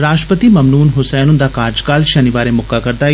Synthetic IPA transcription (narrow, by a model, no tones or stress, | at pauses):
ɾaːʃʈɾəpət̪iːməmnuːnɦʊsɛːnʊnd̪aːkaːɾd͡ʒkaːlʃənɪʋaːɾemʊkːakəɾd̪aː